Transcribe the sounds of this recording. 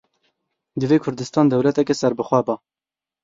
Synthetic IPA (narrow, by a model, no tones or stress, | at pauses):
d̪ɨveːkʰʊɾd̪ɨst̪ɑːnd̪ɛwlɛt̪ɛkʲesɛɾbɨxʷɛbɑ